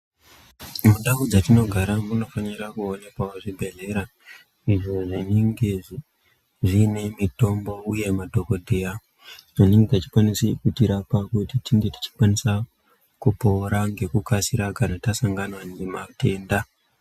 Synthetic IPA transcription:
muɗaud͡zatino̞ɡʱaɾamuno̞faniɾakuone̞kwaoʐibʱe̞ɮe̞ɾa | iʐo̞ʐineŋɡe̞ | ʐine̞mito̞mbo̞uje̞madʱo̞ko̞dʱeja | ʐiniŋɡetat͡ʃi̥kwanisikutiɾapakutitiŋɡe̞ti̥t͡ʃi̥kwanisa | kupo̞ɾaŋɡe̞kukasiɾakanatasaŋɡanwanemate̞ːnda

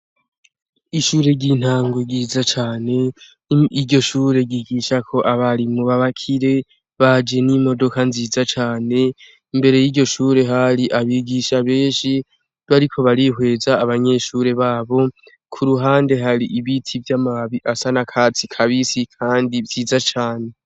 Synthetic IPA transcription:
iʃuːɾe̞ɟin̥haːŋɡoɡiːzat͡ʃaːne̞ | iɟo̞ʃuːɾe̞ɡiɡiːʃakʰo̞ʔaβaɾimuβaβakʰiɾe̞ | βad͡ʒe̞nimo̞do̞kanziːzat͡ʃaːne̞ | imbe̞ɾe̞jiɟo̞ʃuːɾe̞ɦaɾiʔaβiɡiːʃaβe̞ːnʃi | βaɾikʰo̞βaɾihwe̞ːzaːβaɲe̞ʃuɾe̞βaːβo̞ | kʰuɾuɦaːnde̞ɦaɾiʔiβitʰivjamaβiʔasanakʰat͡sikʰaβisikʰaːndivziːzat͡ʃaːne̞

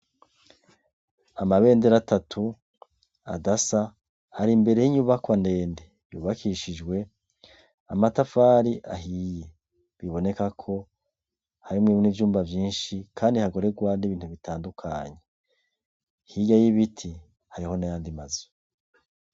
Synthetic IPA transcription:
amaβe̞ːndeɾatatʰu | a̰dasa | aɾimbe̞ɾe̞jiɲuβakwande̞ːnde | jṵːβakʰiʃid͡ʒɡwe̞ | amatafaːɾiʔaɦije̞ | βiβo̞ne̞kakʰo̞ | haɾimŋiːβunivjuːmbavjiːnʃikʰaːndihaɡo̞ɾe̞ɡwaniβiːn̥huβitʰaːndukʰa̰ɲe̞ | hiɟajiβitʰi | haɾiho̞najaːndimazo̥

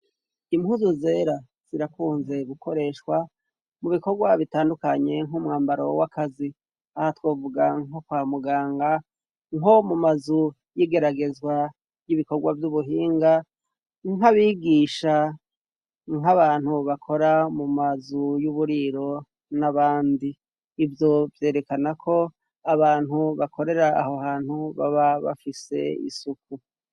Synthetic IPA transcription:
imhuzuzeːɾa | z̥iɾakuːnze̞ɡukʰo̞ɾe̞ʃwa | muβiko̞ɡwaβitaːndukaɲe̞ŋhumŋaːmbaɾo̞wakʰazi | ahatwo̞ːvuɡaŋokwaːmuɡaːŋɡa | ŋo̞mumazu | jiːɡe̞ɾaɡe̞zɡwa | jiβiko̞ɡwavjuβuɦiːŋɡa | ŋaβiːɡiːʃa | ŋaβaːnhuβakʰo̞ɾamumazujuβuɾiɾo̞ | naβaːndiː | vjo̞vje̞ːɾe̞kanakʰo̞ | aβaːnhuβakʰo̞ɾe̞ɾaːho̞haːn̥huβa̰βaβa̰fise̞̰ḭsuku

